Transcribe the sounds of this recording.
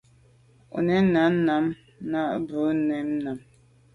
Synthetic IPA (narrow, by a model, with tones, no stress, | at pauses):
ɔ̰˨nɛ˨˦na˨˦m˦na˨˦m | na˦ʔbə˨˦nɛ˨˦mna˨m